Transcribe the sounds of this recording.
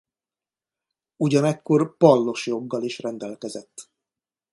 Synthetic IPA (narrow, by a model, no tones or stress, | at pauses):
uɟɒnɛkːo̞rpɒlːo̞ʃjo̞ɡːɒliʃrɛnd̪ɛlkɛzɛt̪ː